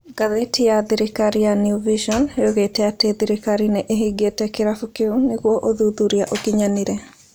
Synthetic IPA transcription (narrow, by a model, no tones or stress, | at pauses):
ɡ̥aðetijaðiɾikaɾijanjuviʃɔnjoɣetɛateðiɾikaɾineʔeɦiɡetɛkeɾafukeuneɣwɔʔoðuðuɾiaʔokiɲaniɾɛ